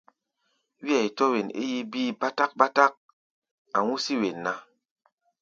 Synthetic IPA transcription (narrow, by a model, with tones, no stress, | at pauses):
wi˦a˨i˨tɔ˦we˨nḛ˦ji˦biː˦ba˦ta˦k̚ba˦ta˦k̚ | a˨ŋu˦si˦we˨nːa˨